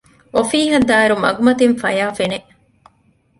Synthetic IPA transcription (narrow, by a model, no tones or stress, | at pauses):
ofiːɦɐd̪aːeɾumɐ̰ɡumɐt̪iɱfɐjaːfeneʔ